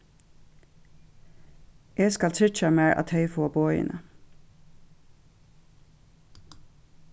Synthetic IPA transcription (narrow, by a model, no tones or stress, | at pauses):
jeːskɑlt̪ʰɪt͡ʃɑmeːɹʔɑ̰t̪hœɪfoːbɔʏə̰nə